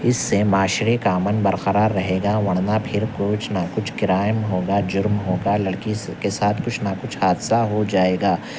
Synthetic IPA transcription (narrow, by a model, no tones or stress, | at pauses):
ɪsːemaːʃɾikaːmənbɐɾqəɾaːɾːɐɦeːɡaʋɐɽ̃napʰɪɾkʊt͡ʃʰnakʊt͡ʃʰkɪɾaːɪmɦoːɡad͡ʒʊɾmɦoːɡalɐɽkikesaːt̪ʰkʊt͡ʃʰnakʊt͡ʃʰhaːd̪saɦod͡ʒaːeːɡaː